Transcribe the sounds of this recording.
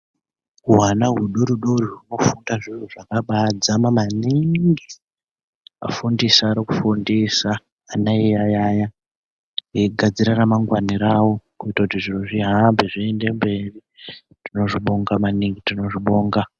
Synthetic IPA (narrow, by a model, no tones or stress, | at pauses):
uɦanaɦuɗoɾuɗoriruno̞fundaʐiruʐakaɓad͡zamamaniŋŋɡi | a̰fundisaːɾikufundisaː | naijajaːja | jeɡʱad͡ziɾaramaŋɡwaniɾawo̞kuitakutiʐiroʐiɦambiʐiende̞mbe̞ri | tino̞ʐiɓoŋɡamaniŋɡitino̞ʐiɓoːŋɡa